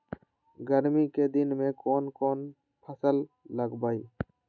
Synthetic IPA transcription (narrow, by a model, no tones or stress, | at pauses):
ɡəɾmiked̪ɪnmẽːkoːnkoːn | pʰəsəlː | əɡbaːi